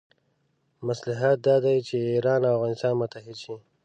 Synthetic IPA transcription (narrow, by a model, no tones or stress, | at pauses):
maslaɦat̪̚d̪ɑd̪ajt͡ʃeiɾɑnafɣɑnɪst̪ɑnmʊt̪aɦɪd̪ʃi